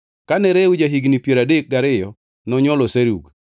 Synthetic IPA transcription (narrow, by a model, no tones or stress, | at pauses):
kanɛɾɛud͡ʒaɦiɡnipjeɾadek̚ɡaɾɪjɔ | nɔɲɔlɔseɾuɡ